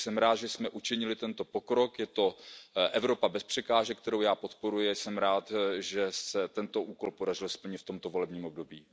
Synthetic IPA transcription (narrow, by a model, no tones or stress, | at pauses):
sɛmɾaːt̪ʒɛsmɛʔut͡ʃɪɲɪlɪt̪ɛnt̪o̞po̞kɾo̞kjɛt̪o̞ʔɛvɾo̞pabɛspr̝̥ɛkaːʒɛk̚t̪ɛɾo̞wjaːpo̞t̪po̞ɾujɪsɛmɾaːt̪ʒɛsɛt̪ɛnt̪o̞ʔuːko̞lpo̞dar̝ɪlspəl̩ɲɪt̪ft̪o̞mt̪o̞vo̞lɛbɲiːmo̞b̚do̞biː